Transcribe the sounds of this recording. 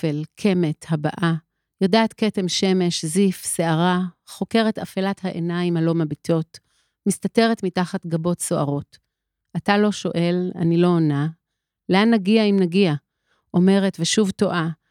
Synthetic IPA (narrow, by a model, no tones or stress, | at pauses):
elkʰe̞methabaʔa | jodaːtke̞temʃe̞me̞ʃzifse̞aʁaχo̞ke̞ʁe̞tafelathaʔenaimhalo̞mabitʰo̞t | mistate̞ʁetmitaχatɡabo̞tso̞ʔaʁo̞t | atalo̞ʃo̞̰ʔe̞la̰nilo̞ːna | leanːaɡiaimnaɡia | ʔo̞me̞ʁe̞tveʃuvto̞ʔa